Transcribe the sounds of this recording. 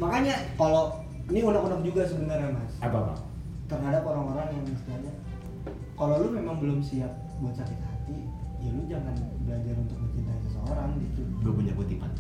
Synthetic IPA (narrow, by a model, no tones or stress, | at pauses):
makaɲakalo | niunakunap̚d͡ʒuɡasəbənərɲamasapapa̰ | t̪ərɦadapoɾaŋoɾaŋjaŋmist̪alɲa | kalolʊmemaŋbəlʊmsiat̪̚buat̪̚sakɪt̪̚hat̪idialʊd͡ʒaŋanbəlad͡ʒaɾunt̪ʊk̚bət͡ʃint̪aansəsəoɾaŋɡit̪ubəlʊpuɲaput̪ima̰